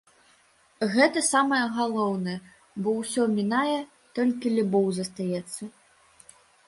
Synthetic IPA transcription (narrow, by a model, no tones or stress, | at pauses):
ɣɛt̪ɐsamɐjɐɣalˠɔwnɐjɛ | bɔwsʲɔmʲinajɛ | t̪ɔlʲkʲilʲubɔwzɐst̪ajɛt̪sːɐ